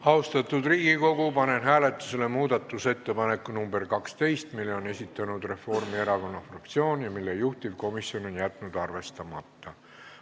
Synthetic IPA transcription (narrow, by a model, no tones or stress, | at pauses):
ɑust̪ɑt̪ːˑud̪riːɡ̥iko̞ɡ̥upɑne̞nɦæːle̞t̪ːˑu̥se̞le̞muːd̪ɑt̪ːˑuse̞t̪ːe̞pɑne̞kːˑunumbe̞rkɑkst̪e̞jst̪milːeo̞ne̞sʲit̪ːˑɑnud̪̥re̞fo̞rmie̞ɾɑko̞nːɑfrɑkt̪sio̞ːnjɑmilːejuht̪ivko̞misio̞no̞njæt̪ːˑnud̪̥ɑrve̞st̪ɑmɑt̪ːɑ